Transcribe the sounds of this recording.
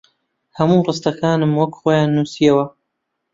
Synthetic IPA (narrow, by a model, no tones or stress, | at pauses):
hɐmuːrɨst̪ɐkʰaːnɨmwɐkχoːjaːnːuːsijɐwɐ